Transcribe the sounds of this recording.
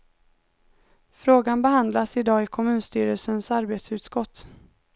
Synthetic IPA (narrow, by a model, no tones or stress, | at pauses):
fɾoːɡanbɛɦand̪lasɪd̪ɑːɪkʰɔmʉ̟ːnst̪yːɾəlsənsaɾbeːt̪sʉ̟ːt̪skɔt̪ː